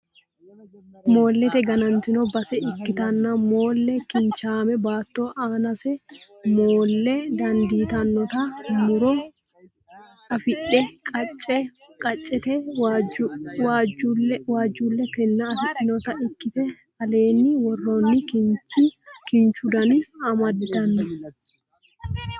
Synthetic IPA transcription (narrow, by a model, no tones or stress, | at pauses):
mo̞ːlːɛt̪ɛɡɐnɐnt̪ɪnɔbɐsɛɪkːɪt̪ɐnːɐmoːlːɛkɪnt͡ʃaːmɛbaːt̪ːoːʔaːnɐsɛ | moːlːɛd̪ɐnd̪iːt̪ɐnːɔt̪ɐmʊɾɔ | ɐfɪᶑɛkʼɐt͡ʃʼːɛ | kʼɐt͡ʃʼːɛt̪ɛ | waːd͡ʒuwaːd͡ʒːuːlːɛkɛnːɐːfɪᶑɪnɔt̪ɐɪkːɪt̪ɛ | ɐle̞ːnːɪwɔrːo̞ːnːɪkɪnt͡ʃikɪnt͡ʃʊd̪ɐniɐmɐdd̪ɐnːɐ